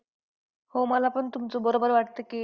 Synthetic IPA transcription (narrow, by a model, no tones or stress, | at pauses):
homəlapəɳt̪umt͡sobəɾobəɾʋaʈt̪əke